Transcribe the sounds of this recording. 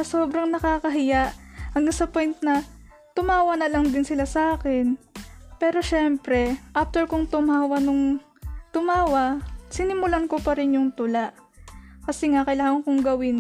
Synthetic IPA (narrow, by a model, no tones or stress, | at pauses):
ɐso̞ːbɾɐŋnɐkaːkɐɦɪjaʔhɐŋɡansɐpo̞jnt̪nɐ | t̪ʊmaːwɐnɐlaŋd̪ɪnsɪlasɐʔaːkɛnpɛːɾo̞ʃɛmpɾɛʔaft̪ɛɹkʊŋt̪ʊmaːwɐnʊŋ | t̪ʊmaːwɐsɪnɪmʊlankopɐɾɪnjʊŋt̪ʊlaʔ | kɐsɛŋaʔkɐjlaːɐŋkʊŋɡɐwɪn